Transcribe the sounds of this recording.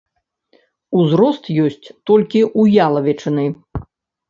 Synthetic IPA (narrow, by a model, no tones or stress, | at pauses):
uzɾɔst̪jɔsʲt͡sʲt̪ɔlʲkʲiʔujalˠɐvʲɛt͡ʂɨnɨj